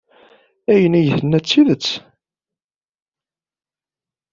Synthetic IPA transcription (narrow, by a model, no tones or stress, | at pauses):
æjənæjəθənːæt͡sːiðət͡sː